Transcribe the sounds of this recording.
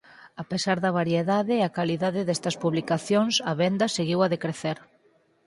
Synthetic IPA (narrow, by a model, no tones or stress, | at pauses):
apesaɾðɐβ̞aɾjeðaðɪɐkaliðaðɪðɛst̪ɐspuβlikaθjoŋsɐβɛnd̪ɐseɣiwɐðekɾeθeɾ